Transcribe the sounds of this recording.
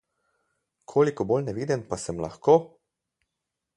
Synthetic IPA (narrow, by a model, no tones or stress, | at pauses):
kʰoːlikɔbolnɛʋiːd̪inpasɛmla̰xkoː